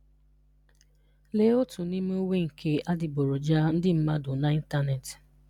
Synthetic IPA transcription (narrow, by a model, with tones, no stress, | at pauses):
le˨˦o˦tʊ˨ni˦m˦o˦we˦ŋ̩˨kʰe˦ʔa˦dɪ˨bo˨ɾo˨d͡ʒa˦n̩˦dɪ˦m̩˦ma˦dʊ˨na˦i˦n˦ta˦ne˨t